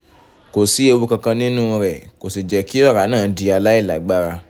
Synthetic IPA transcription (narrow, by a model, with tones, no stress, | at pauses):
ko˨si˨˦e˧wo˧kã˧kã˧nĩ˦nũ˦˨˧ɾɛ˨ko˨si˨d͡ʒɛ˨˦ki˦ɔ˦˨ɾa˨˦nãː˦˨˦di˧a˧la˦i˦˨la˨˦ɡ͡ba˦˨ɾa˧